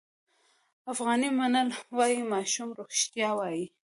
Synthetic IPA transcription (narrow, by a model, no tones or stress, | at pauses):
afɣɑnimanəlwɑjimɑʃumɾoxʃt̪jɑwɑji